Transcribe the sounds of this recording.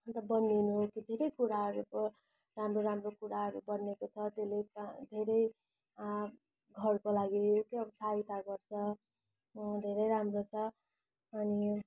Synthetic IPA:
ʌnt̪ʌbʌnːinukid̪ʱeɾʌjkuɾaɦʌɾubʌ | ramroɾamrokuɾaɦʌɾubʌnːekot͡sʰʌt̪elekd̪ʱeɾʌj | ɡʱʌrkolaɡiokeʌbʌsait̪aɡʌrt͡sʰʌ | d̪ʱeɾʌjɾamrot͡sʰʌ | ʌni

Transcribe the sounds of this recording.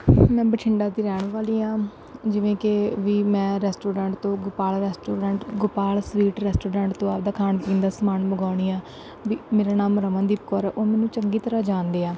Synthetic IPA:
mɛ̃ːbəʈʰɪɳɖaːt̪iːɾɛːɳ̃ʋaːliːãː | d͡ʒɪʋẽːkeʋiːmɛ̃ːɾɛːsʈoːɾãːɳʈt̪õːɡʊpaːlɾɛːsʈoːɾãːɳʈɡʊpaːlsʋiːʈɾɛːsʈoːɖãːɳʈt̪õːaːp̚d̪aːkʰaːnpĩːnd̪aːsəmaːnbəɡaːʊɳiːaː | ʋiːmeːɾaːnaːmɾəʋə̃ːd̪iːpkɔːɾɛːʔoːmɛ̃ːnũːt͡ʃəŋɡiːt̪əɾaːd͡ʒaːnd̪eːaː

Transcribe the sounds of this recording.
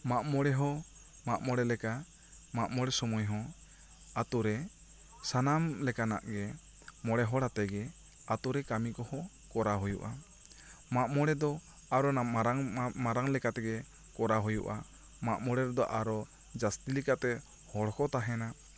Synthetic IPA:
maʔmɔɽɛɦɔ̃ | maʔmɔɽɛlɛka | maʔmɔɽɛsɔmujɦɔ̃ | at̪uɾɛ | sanamlɛkana̰ʔɡɛ | mɔɽɛɦɔɽat̪ɛɡɛ | at̪uɾɛkamikɔhɔ̃ | kɔɾaɦujṵʔa | maʔmɔɽɛd̪ɔ | aɾɔnaɾamaɾaŋlɛkat̪ɛɡɛ | kɔɾaɦujṵʔa | maʔmɔɽɛɾɔd̪ɔʔaɾɔ | d͡ʒast̪ilɛkat̪ɛ | hɔɽɔkʰɔt̪aɦɛna

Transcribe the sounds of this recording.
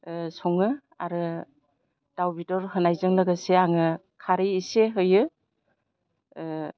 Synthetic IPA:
sɔŋɯ | a̰ɾɯ | d̥awbitɔɾhɯnajzɯŋlɯɡɯseaŋɯ | kʰaɾiːseɦɯjɯ

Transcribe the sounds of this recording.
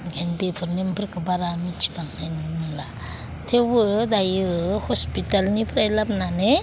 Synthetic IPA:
ɡenbepʰɯɾnempʰɯɾkəbaɾamit͡ʃi̥baŋannila | tʰewədajɯhɔspitalnipʰɾajlapnane

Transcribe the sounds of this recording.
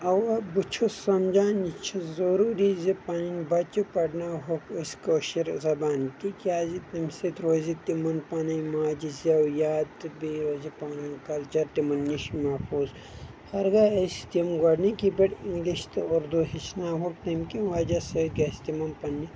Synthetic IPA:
ɐwɐbut͡ʃʰosɐmd͡ʒaːnit͡ʃʰɐzɐɾuːɾizepɐninbɐt͡ʃupɐɽnaɦokɐskoːʃiɾzɐbaːnt̪ikiaːzit̪imsit̪ɾoːzit̪imɐnpɐnɐjmaːd͡ʒisɐwjaːd̪biɾoːzipanɐnkɐlt͡ʃɐɾt̪imɐnːiʃmɐfʰuːz | hɐɾɡaɐst̪imɡɐɽnikibɐʈiŋɡliʃt̪oɾd̪oɦit͡ʃʰnaːɦok̚t̪ɐmkiʋaːd͡ʒɐsɐkɐst̪imɐnpɐnːi

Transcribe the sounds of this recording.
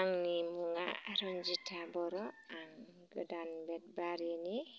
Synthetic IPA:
aŋnimuŋɡa̰aɾɔnd͡ʒitʰabɔɾɔaŋ | ɡədanbɛt̚baɾini

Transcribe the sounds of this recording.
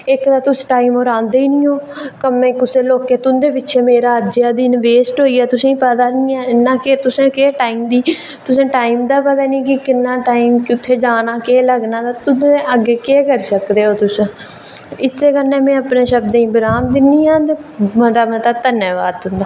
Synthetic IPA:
ɪkt̪aːt̪ʊsʈaːiːmoːɾãːnd̪eːiːnĩːɦoː | kəmẽːkʊseːloːkːeːt̪ʊnd̪eːʋɪtːʃʰeːmeːɾaːəd͡ʒjaːd̪iːnʋeːsʈɦoːiːɛːt̪ʊsẽːĩːpəd̪aːnĩːaːɪnːãːkeːt̪ʊsẽːkeːʈaːiːmd̪iː | t̪ʊsẽːʈaːiːmd̪aːpət̪aːnĩːkɪkɪnːãːʈaːimkɪʊt̪ʰːeːd͡ʒaːnaːkeːləɡnaːt̪aːt̪ʊsẽʔəɡːeːkeːkəɾsəkd̪eːɦoːt̪ʊsə̃ | ɪseːkəɾnẽːmɛ̃ːəpneːʃəbd̪ẽĩːbəɾaːmd̪ɪniːãːt̪eːməd̪aːmɛ̃ːt̪aːt̪ənːeːʋaːd̪ɦʊ̃nd̪aː

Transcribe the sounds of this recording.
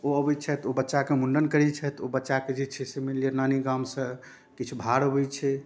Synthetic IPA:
oəbɛt͡ʃʰɛt̪obətːʃakemuɳɖənkəɾit͡ʃʰɛt̪obətːʃaked͡ʒit͡ʃʰɛsemelijənaniɡamsə̃ | kit͡ʃʰubʱaɾəbɛt͡ʃʰɛ

